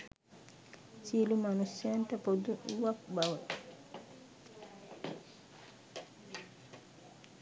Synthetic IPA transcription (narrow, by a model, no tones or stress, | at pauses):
silumanusɛntapod̪uwakbawɛ